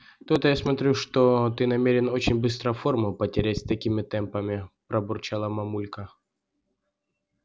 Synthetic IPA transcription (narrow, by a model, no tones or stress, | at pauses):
t̪ut̪əjasmɐt̪ɾʲuʂt̪ot̪ɨnɐmʲeɾʲɪno̞t͡ɕɪnʲbɨst̪ɾəformʊpətʲɪɾʲætʲst̪ɐkʲimʲɪt̪ɛmpəmʲɪpɾɐbʊrt͡ɕalˠəmɐmulʲkə